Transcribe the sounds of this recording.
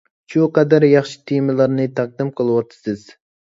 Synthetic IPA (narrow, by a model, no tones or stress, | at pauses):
ʃuqɑd̪æɾjɑχʃɪ̥t̪ʰemɨlˠɑɾnɨt̪ʰɑq̚d̪ɨmqʰɨlˠɨwɑt̪ʰɪ̥sɨz̥